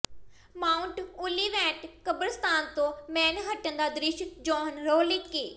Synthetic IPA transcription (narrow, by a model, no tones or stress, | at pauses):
maːʊɳʈʊliːʋɛ̃ːɳʈkəbəɾst̪aːnt̪õːmɛːnɦəʈənd̪aːd̪ɾɪʃd͡ʒɔːnɾoːlikkeː